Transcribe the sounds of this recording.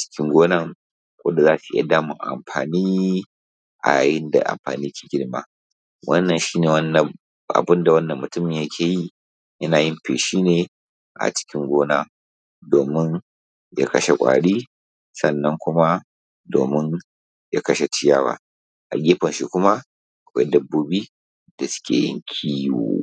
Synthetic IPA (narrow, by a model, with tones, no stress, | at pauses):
t͡ʃɪ̥˦kʲɪ˦ŋɡʷoː˦nɐ˦˨ŋ | kʷo̰˦da˨zaː˦˨si˨ḭ˦a̰˦˨daː˦mʊ˨ŋ˨ʔa̰˨mɸaː˨niː˦ | ʔa̰˨jaː˨jɪ˦nda̰˨ʔa̰˨mɸa̰ː˨niː˦jkʰʲe̥ː˨ɡʲɪ˦ɽmaː˦ | wɐ˦nːɐ˨nʃiː˦neː˨wɐ˦nː˨ | ʔa̰˨bɪ˦nda˨wɐ˦nːɐ˨mːʊ˨tʊ˦mɪ˨ɲjɐ˦kʲʰeː˨ji˦ | jɐ˦naː˨jɪ˦mɸḛː˨ʃiː˦neː˨ | ʔa̰˨t͡ʃɪ̥˦kʲɪ˦ŋɡʷoː˦naː˦ | doː˨mɪ˦n | ja̰˦kɐ˦ʃe˦kʷʼa̰ː˨ɽiː˦ | sɐ˦nːɐ˦ŋkʷʊ˦ma˦ | doː˨mɪ˦ | ja˦kɐ˦ʃe˦t͡ʃɪ˦jaː˦wa̰˦ | ʔa̰˨ɡʲeː˦ɸɔ˨nʃi˦kʷʊ˦ma˦ | ʔa˨kʷa˦dɐ˦bːoː˦biː˦ | d̥a˨sʊ̥˦kʲḛː˨jɪ̰˦ŋkʲʰiː˦jṵː˦˨